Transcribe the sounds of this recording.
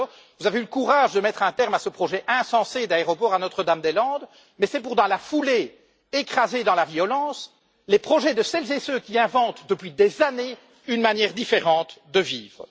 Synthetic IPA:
vuzaveyləkuʁaːʒd̪əmɛt̪χɛ̃t̪ɛʁmasəpχɔʒɛʔɛ̃sɑ̃sed̪aeʁɔpɔʁanɔt̪χəd̪amd̪elɑ̃d̪ | mɛsɛpuʁt̪ɑ̃lafule | ekχazed̪ɑ̃lavjɔlɑ̃s | lepχɔʒɛd̪əsɛlzesøkʲiɛ̃vɑ̃t̪d̪əpɥid̪ezane | ynmanjɛʁd̪ifeʁɑ̃t̪d̪əviːvʁ

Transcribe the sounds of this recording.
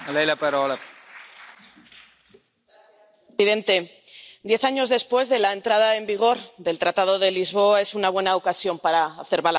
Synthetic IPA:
alajlapaɾɔla | iðe̞nt̪e | d̪je̞θaɲo̞zðe̞spwe̞zðe̞lae̞nt̪ɾaðae̞mbiɣ̞o̞ɾðe̞lt̪ɾat̪að̞o̞ðe̞lizβ̞o̞ae̞sunaβ̞wenaokasjo̞mpaɾaːθeɾβal

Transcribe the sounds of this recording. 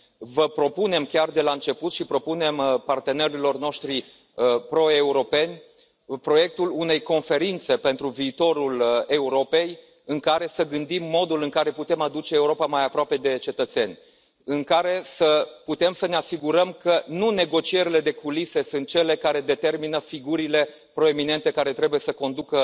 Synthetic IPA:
vəpɾo̞pune̞mkʲard̪e̞laɨnt͡ʃe̞put̪ʃipɾo̞pune̞mpart̪e̞ne̞ɾilo̞rno̞ʃt̪ɾi | pɾo̞e̞uɾo̞pe̞nʲ | pɾo̞je̞k̚t̪ulune̞jko̞nfe̞ɾint̪se̞pe̞nt̪ɾuviːt̪o̞ɾule̞uɾo̞pe̞j | ɨŋkaɾe̞səɡɨnd̪imːo̞d̪ulɨŋkaɾe̞put̪e̞mad̪ut͡ʃeːuɾo̞pamajapɾoape̞d̪e̞t͡ʃe̞t̪ət̪se̞nʲ | ɨŋkaɾe̞səput̪e̞msəneasiɡuɾəmkənune̞ɡo̞t͡ʃie̞ɾile̞d̪e̞kulise̞sunt̪̚t͡ʃe̞le̞kaɾe̞d̪e̞t̪e̞rminəfiɡuɾile̞ | pɾo̞e̞mine̞nt̪e̞kaɾe̞t̪ɾe̞buje̞səko̞nd̪ukə

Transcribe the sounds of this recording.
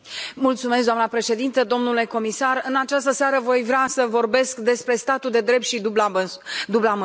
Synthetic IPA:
mult̪sumesɡd̪oamnəpɾe̞ʃe̞d̪int̪əd̪o̞mnule̞ko̞misarɨnat͡ʃast̪əseaɾəvo̞jvɾeasəvo̞rbe̞skd̪e̞spɾe̞st̪at̪uld̪e̞d̪ɾe̞p̚t̪ʃi | d̪ublam

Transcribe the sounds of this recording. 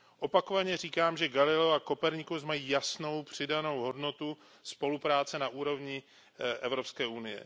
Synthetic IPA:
ʔo̞pako̞vaɲɛr̝iːkaːmʒɛɡalɪlɛoako̞pɛɾɲɪkuzmajiːjasno̞wpr̝̥ɪdano̞wɦo̞dno̞t̪u | spo̞lupɾaːt͡sɛnaʔuːɾo̞vɲɪ | ʔɛvɾo̞pskɛːʔunɪjɛ̰

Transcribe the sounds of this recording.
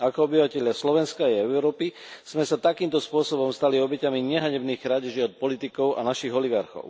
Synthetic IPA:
akɔɔbiʋacɛʎɪaslɔʋɛnskaːjɛɛʊɾɔːpi | z̥mɛsat̪akiːmt̪ɔspʊɔsɔbɔmst̪aliɔbɛcamiɲɛɦaɲɛbniːɣɾaɟɛʒiɔt̪̚pɔlit̪ikɔʊa̰naʃiɣɔliɡaɾxɔ̰ʊ

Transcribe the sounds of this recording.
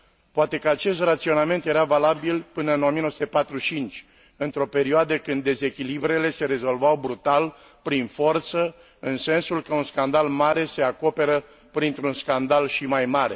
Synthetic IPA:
poat̪e̞kəat͡ʃe̞s̬t̪rat̪sio̞name̞nt̪je̞ɾavalabilpɨnəɨno̞mijənosut̪epat̪ɾut͡ʃint͡ʃʲ | ɨnt̪ɾo̞pe̞ɾioad̪əkɨnd̪ːe̞ze̞kʲilibɾe̞le̞se̞ɾe̞zo̞lvawbɾut̪al | pɾinfo̞rt̪sə | ɨnse̞nsulkəunskand̪almaɾe̞se̞ako̞pe̞ɾə | pɾint̪ɾunskand̪alʃimajmaɾe̞̰

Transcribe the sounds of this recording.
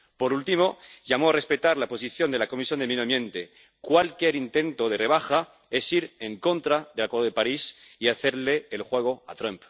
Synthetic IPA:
po̞ɾult̪imo̞ʝamoare̞spe̞t̪aɾlapo̞siθjo̞nd̪e̞lako̞misjo̞nd̪eminomjẽ̞nt̪e | kwalkjeɾint̪ẽ̞nt̪oð̞e̞reβ̞axa | e̞siɾeŋko̞nt̪ɾaðelakweðoepaɾisiaθe̞ɾleːlxwe̞ɣ̞o̞a̰t̪ɾamp

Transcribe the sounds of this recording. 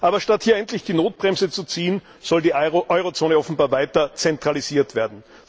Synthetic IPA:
ʔaːbɐʃtathiːɐɛntlɪçd̥iːnoːt̚b̥ʁɛmzət͡sut͡siːən | z̥ɔldiːʔɔʏʁot͡soːnəɔfn̩baːɐvaɪtɐt͡sɛntʁ̥aliziːɐtv̥eːɐdn̩

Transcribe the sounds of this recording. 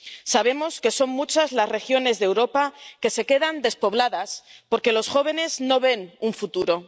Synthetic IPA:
saβ̞e̞mo̞ske̞so̞ŋmut͡ʃazlazre̞xjo̞ne̞zðewɾo̞pake̞se̞ke̞ðand̪e̞spo̞β̞laðaspo̞ɾke̞lo̞sxo̞β̞e̞ne̞zno̞βe̞nuɱfut̪uɾo̞

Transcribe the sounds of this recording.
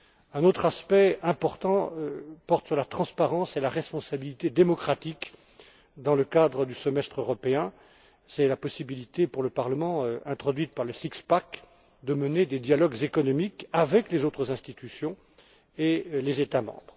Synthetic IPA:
ɛ̃not̪χaspɛɛ̃pɔʁt̪ɑ̃pɔʁt̪syʁlat̪χɑ̃spaʁɑ̃selaʁɛspɔ̃sabilit̪ed̪emɔkχat̪ik | d̪ɑ̃ləkad̪ʁəd̪ysəmɛst̪χøʁɔpeɛ̃ | sɛlapɔsibilit̪epuʁləpaʁləmɑ̃ɛ̃t̪χɔd̪ɥit̪̚paʁləsikspak | d̪əməned̪ed̪jalɔɡzekɔnɔmikavɛklezot̪χəzɛ̃st̪it̪ysjɔ̃ | elezet̪amɑ̰̃bʁ

